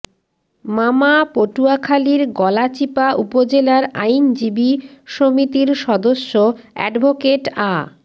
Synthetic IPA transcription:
mamapoʈuakʰaliɾɡɔlat͡ɕipaʔupod͡ʑelaɾa̰jnd͡ʑibiʃomit̪iɾʃɔd̪oʃːoɛ̰ɖbʱokeʈa

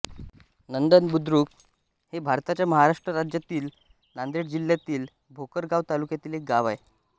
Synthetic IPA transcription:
nənd̪ənbud̪ɾuːk | hebʱaɾt̪at͡ɕjaməɦaɾaʂʈɾəɾad͡ʑjat̪iːl | nand̪eɽd͡ʑiljat̪iːl | bʱokəɾɡaʋt̪alukjat̪iːlek̚ɡaʋaj

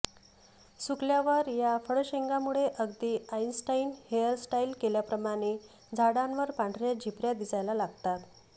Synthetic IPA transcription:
sukljaʋəɾjafəɽɕeŋɡamuɭeʔəɡd̪iːainsʈainhejəɾsʈailkeljapɾəmaɽ̃e | d͡zʱaɽãnʋəɾpãɳɖʱɾjad͡ʑʱipɾjad̪isajlalaɡ̚t̪at̪

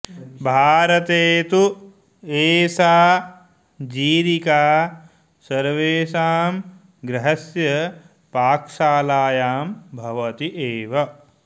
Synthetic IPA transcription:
bʱaːɾɐt̪eːt̪u | eːsaː | d͡ʒiːɾikaː | sɐɾʋeːsaːm | ɡɾɐɦɐsjɐ | paːkʂaːlaːjaːmbʱɐʋɐt̪iʔeːʋɐ

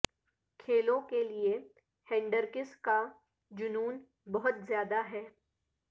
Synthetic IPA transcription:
kʰeːlõkelie | hɛ̃ːɳɖəɾkɪska | d͡ʒʊnuːn | bɐɦʊt̪zjaːd̪aɦɛː

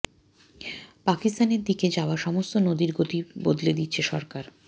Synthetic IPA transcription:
pakist̪aneɾd̪iked͡ʑaoaʃɔmost̪onod̪iɾɡot̪ibod̪led̪it̪ːɕʰeʃɔɾkaɾ

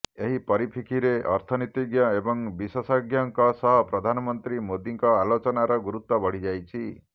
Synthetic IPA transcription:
eɦipɔɾipʰikʰiɾeʔɔɾt̪ʰɔnit̪iɡjɔebɔŋbisɔsɔɡjɔŋkɔsɔɦɔpɾɔd̪ʱanɔmɔnt̪ɾimod̪iŋkɔalot͡ʃɔnaɾɔɡuɾut̪ːɔbɔɽ̤id͡ʒajt͡ʃʰi

